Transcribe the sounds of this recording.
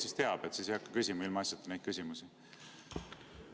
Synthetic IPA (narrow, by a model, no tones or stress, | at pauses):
sist̪e̞ɑb̥e̞t̪sisjɑkːɑkysʲimɑilmɑɑsjɑt̪ːˑenejt̪̚kysʲimusi